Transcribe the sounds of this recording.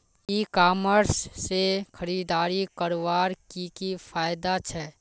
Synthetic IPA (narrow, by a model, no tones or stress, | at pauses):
ikaːməɾsːexʰəɾiːd̪aːɾikəɾʋaːɾkikifʰaːjd̪at͡ʃʰɛ